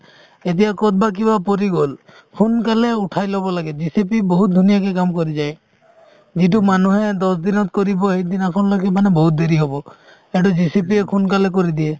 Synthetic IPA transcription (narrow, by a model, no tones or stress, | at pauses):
et̪ijakɔt̪̚bak̬ibapoɾiɡol | kʰunkaleuʈʰajlɔbɔlaɡɛd͡ʒisepiboɦut̪̚d̪ʱunijakɛkamkoɾid͡ʒaj | zit̬umanuɦed̪ɔsd̪inɔt̪̚koɾibɔɦed̪inakʰɔnlɔkʰɛmanɛbɔɦut̪̚d̪eɾiɦobɔ | ɛɖɔzisipiekʰunkalɛk̬oɾid̪ie